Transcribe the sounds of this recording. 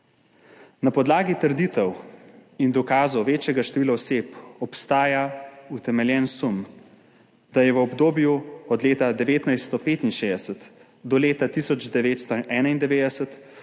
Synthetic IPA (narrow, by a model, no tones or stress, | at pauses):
napɔd̪laːɡit̪əɾd̪it̪ɛwind̪ɔkaːzowʋeːt͡ʃjɛɡaʃt̪ɛʋiːlaɔseːpɔpst̪aːjaut̪ɛmɛljɛːnsum | d̪̥ajɛʋəɔbd̪oːbjuɔd̪leːt̪ad̪ɛʋeːt̪najst̪ɔpeːt̪inʃeːd̪ɛsət̪ | d̪ɔleːt̪at̪isɔd͡ʒd̪ɛʋeːt̪st̪ɔʔɛːnaind̪ɛʋeːd̪ɛsət̪